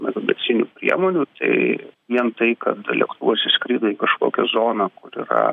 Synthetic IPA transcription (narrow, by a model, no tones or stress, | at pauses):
mʲɛt̪obʲɛ̰t͡s̪ʲɪnʲupʲɾʲḭɛmoːnʲut̪ɐɪʋʲiɛnt̪ɐɪkɐt̪lʲɛ̰kt̪uʋoːsʲɛsʲkʲɾʲiːd̪ɐiːkɐʃkoːkʲɛzoːnɑkʊɾḭːɾɐ̰